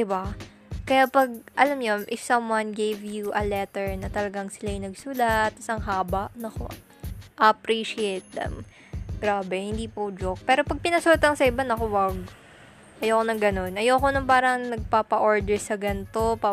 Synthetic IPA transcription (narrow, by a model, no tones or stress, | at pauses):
d̪ɪba | kɐjapɐɡ̚ʔɐlamɲʊmʔɪfsɐmwanɡejvjuʔɐlɛt̪ɛɹnɐt̪ɐlɐɡaŋsɪlajnɐɡsʊlat̪̚ːɪsɐŋɦaːbɐʔnɐko̰ | ʔɐʔɐpɾiʃɪejt̪̚lɐ̰m | ɡ̥ɾaːbɛhɪnd̪iːpod͡ʒok̚pɛːɾo̞pɐɡ̚pɪnɐsulat̪ːɐŋsɐɪbanɐkowɐɡ̚ | ʔɐjoːkonɐŋɡɐno̞nʔɐjoɐko̞nɐŋpaːɾɐŋnɐɡ̚paːpɐʔo̞ɹd̪ɛɹsɐɡɐnt̪o̞pa